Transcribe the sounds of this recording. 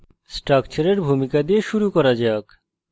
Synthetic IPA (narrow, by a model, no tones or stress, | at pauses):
sʈɾakt͡ɕaɾeɾbʱumikad̪ieʃuɾukɔɾad͡ʑɛak